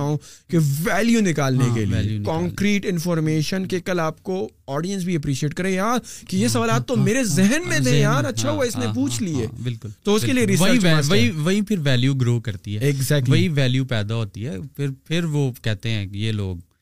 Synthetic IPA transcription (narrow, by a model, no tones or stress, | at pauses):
aõkeʋɛːljunɪkaːlnĩkḛlḭjukãːŋkɾiːʈɪ̃nfɔːɾmeːʃənkekɐlaːp̚ko | ɔːɖijə̃ns̬bʱiɐpɾiːʃieːʈkɐɾẽjaːɾkejesɐʋaːlaːt̪̚t̪ːomeːɾezɛɦənmẽd̪̃jaaːɾɐtːʃʰaɦuaɪsnẽpuːt͡ʃʰlieːbɪlkʊlt̪oʊskelieɾisɐiʋɐɦiʋɐɦipʰɪɾʋɛːljuɡɾoːkɐɾt̪iɦɛɪɡzɛːk̚ʈlʋɐiɦiʋɛːljuːpɛːd̪aɦoːt̪iɦɛ̰ːpʰɪɾpʰɪɾʋoːkɛɦt̪eɦɛ̃ːjeːlo̰ːɡ̚